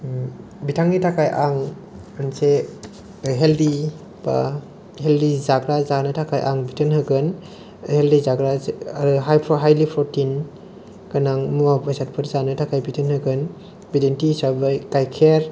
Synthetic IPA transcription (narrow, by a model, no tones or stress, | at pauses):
bitʰaŋnitʰakʰajʔaŋ | anse | ɦeldi | ba̰ | heldizaɡɾazanɯtʰakʰajʔa̰ŋbitʰɯnhɯɡɯn | heldizaɡɾaɾɯɦajpʰɔɦajlipʰɾɔtin | kanaŋmuabajsat̚pʰɯɾzanɯtʰakʰajbitʰənhɯɡɯn | bidentisabajkajkʰeɾ